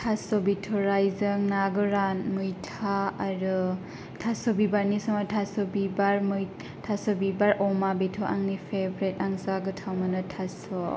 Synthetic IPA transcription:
tʰasɔbitʰɔɾajzɯŋnaɡɔɾanmujtʰaaɾɯ | tʰasɔbibaɾnisɔŋatʰasɔbibaɾm | tʰasɔbibaɾʔɔmabitʰɔʔaŋnipʰebɾet̚aŋzaɡɯtʰawmanɯtʰasɔ

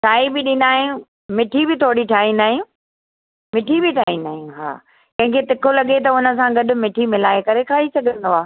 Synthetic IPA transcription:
sʰaːibɪɗɪ̃nd̪aːɦijũ | mɪʈʰibɪt̪ʰoːɽiʈʰaːɦĩnd̪aːɦijũː | mɪʈʰibɪʈʰaːɦĩnd̪aːɦijũɦa̰ː | kɐ̃ɦɪ̃ŋkʰet̪ɪkʰolɐɠet̪̬ɐʊnə̆s̬ãɡɐɗʊ̆mɪʈʰimɪlaːekɐɾekʰaːɦisɐɡʱə̃nd̪oaː

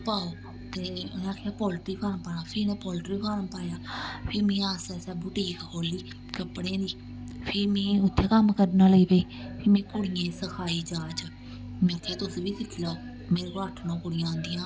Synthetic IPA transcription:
paːoː | t̪eːnẽaːkʰjaːpɔːlʈɾiːkaːɾmpaːnaːpʰɪɾnɛ̃ːpɔːlʈɾiːkaɾmpaːjaːpʰɪɾmẽːaːsɛːsɛːbʊʈiːkkʰoːliː | kəpɽẽːd̪iː | pʰɪɾmẽːʊt̪ʰːeːkəmkəɾnaːləiːpeː | pʰɪmɛ̃ːkʊɽɪjẽːsəkʰaːiːd͡ʒaːt͡ʃa | mɛ̃ːk̪ʰeːt̪ʊsʋiːsɪkʰlaoː | meːɾekːɾaːʈʰnõːkʊɽɪjãːnd̪ijãː

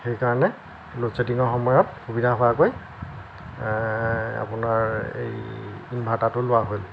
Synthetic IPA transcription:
xejkaɹɔnɛ | losediŋɔɹxɔmɔjɔtxubidʱaɦʊakoj | a̰pʊnaɹḛjinbʱatatʊlʊwaɦojl

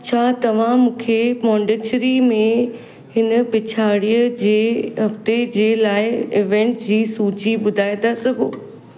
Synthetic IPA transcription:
t͡ɕʰaːt̪ɐʋ̤ãmũːkʰepɔ̃ːɳɖɪt͡ɕɾimẽ | ɦɪnəpɪt͡ɕʰaːɽijəd͡ʑeːɦɐft̪ed͡ʑeːlaːɪɪʋẽːɳʈd͡ʑiːsuːt͡ɕiɓʊd̪ʱaːɪd̪asɐɡʱoː

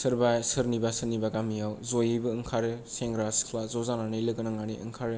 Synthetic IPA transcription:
sɯɾbajsɯɾnibasɯɾnibaɡamijawzojibɯɯŋkʰaɾɯseŋɡɾaskʰlazɔzananɯjlɯɡɯnaŋaniʔɯ̰ŋkʰaɾɯ

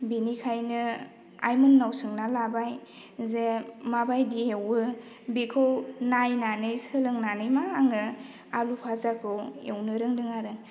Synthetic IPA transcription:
binikʰajnɯ | a̰jmunːawsɯŋnalabaj | zemabajdiewɯ | bikʰɯwnajnanɯjsɯlɯŋnanɯjmaːŋɯ | alupʰazakʰɯwḛwnɯɾɯŋdɯŋaɾɯ

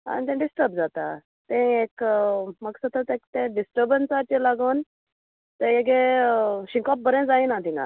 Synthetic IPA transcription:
a̰nit̪ẽɖisʈəɾbd͡zat̪a̰ | t̪ẽekməksət̪ət̪ẽkt̪ẽɖisʈəɾbənsaɾt͡ɕelaɡon | t̪ejeɡeɕĩŋkɔp̚bəɾẽd͡zainat̪ĩŋɡa̰

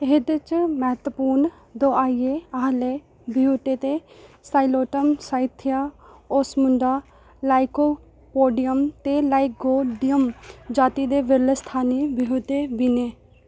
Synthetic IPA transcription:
ɪɦd̪ɪt͡ʃmɛɦt̪əpuːɾɳ | d̪oːaːieːaɦleː | bɪɦoːt̪eːt̪eːsaːiloːʈəmsaːɪt̪ʰɪjaːosmʊɳɖaː | laːɪkoː | poːɖɪjəmt̪eːlaːiɡoːɖɪjəmd͡ʒaːt̪iːd̪eːʋɪɾlest̪ʰaːneːbɪɦoːt̪eːbiːneː

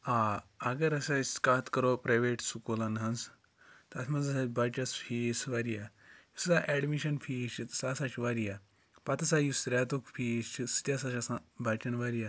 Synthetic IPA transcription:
aaɡɐɾɐsaskat̪kɐɾopɾajʋeʈsukolɐnɦɐns | t̪asmɐzɐsabat͡ʃʲɐsfʰisʋaɾija | jissaʔɛɖmiʃɐnfʰiʃit̪sasat͡ʃʋaɾija | pat̪ɐsajusɾʲat̪ukfʰit͡ʃist̪ʲjasaʃasãbat͡ʃʲɐnʋaɾija

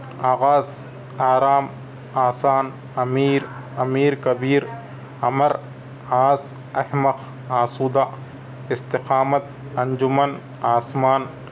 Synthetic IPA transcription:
aːɣaːz | aːɾaːm | aːsaːn | ɐmiːɾ | ɐmiːɾkɐbiːɾ | ɐmɐɾ | aːz | ɐhmɐx | aːsuːd̪a | ɪst̪ɪqaːmɐt̪̚ | ɐɲd͡ʒʊmɐn | aːsmaːn

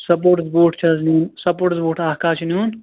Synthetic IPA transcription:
sɐp̬oːʈsboːʈt͡ʃʰɐznuːnsɐpoːʈsboːʈʰaːɦkaːt͡ʃʰinjuːn

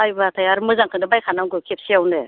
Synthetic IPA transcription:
ajbatʰajaɾmɯzaŋkʰɯndɯbajkʰanawɡɯkʰep̚siawne

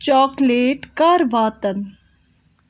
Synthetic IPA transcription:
t͡ʃɔːkleːʈkaːɾʋaːt̪ən

